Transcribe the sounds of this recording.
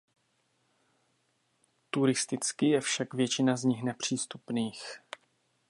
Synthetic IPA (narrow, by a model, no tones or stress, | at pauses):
t̪uɾɪst̪ɪt͡skɪjɛfʃakvjɛt͡ʃɪnazɲɪxnɛpr̝̥iːst̪upniːx